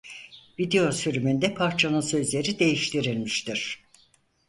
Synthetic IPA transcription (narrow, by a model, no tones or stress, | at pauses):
vid̪ejo̞syɾymynd̪ɛpʰaɾt͡ʃʰanɯnsø̞zlʲe̞ɾid̪e̞jiʃt̪ʰiɾilʲmiʃt̪iɾ̥